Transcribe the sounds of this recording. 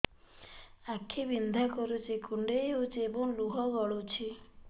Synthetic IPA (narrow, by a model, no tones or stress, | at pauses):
akʰːibind̪ʱakɔɾut͡ʃʰikuɳɖejɦot͡ʃʰiebɔŋluɦɔɡɔɭot͡ʃʰi